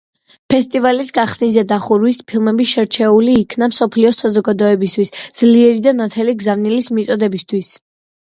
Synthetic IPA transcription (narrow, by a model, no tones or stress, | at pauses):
pʰɛst̪ʼivalisɡaχsnizɛd̪aχuɾwispʰilˠmɛbisʃɛɾt͡ʃʰɛuliːkʰnamsɔpʰliɔsazɔɡad̪ɔɛbist̪ʰwisd̪z̥liɛɾid̪anat̪ʰɛliɡzavnilismit̪sʼɔd̪ɛbist̪ʰwis